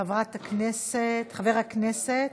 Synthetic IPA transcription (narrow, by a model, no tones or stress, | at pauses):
avʁat̪akneset̪χaveʁhakneset